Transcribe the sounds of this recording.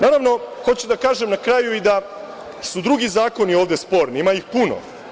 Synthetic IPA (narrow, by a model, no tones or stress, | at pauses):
naːɾaʋno̞xo̞t͡ɕud̪akaːʒemnakɾaːjuid̪a | sud̪ɾuɡizaːko̞nioːʋd̪espo̞ːɾniimajixpuno̰